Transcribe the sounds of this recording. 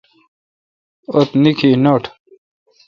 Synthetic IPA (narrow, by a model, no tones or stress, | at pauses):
ot̪nikʰiːnoːʈʰ